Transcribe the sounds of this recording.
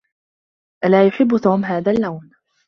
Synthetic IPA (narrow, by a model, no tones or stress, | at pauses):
ʔalaːjʊħɪbːʊt̪uːmɦaːðaːlːawn